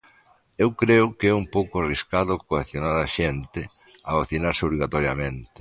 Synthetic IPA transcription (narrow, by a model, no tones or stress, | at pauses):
ewkɾeʊkeɛumpowkʊariskaðʊkoeθjonaɾaʃent̪ɪ | aβaθinaɾsɪoβliɣat̪ɔɾjamẽnt̪ɪ̥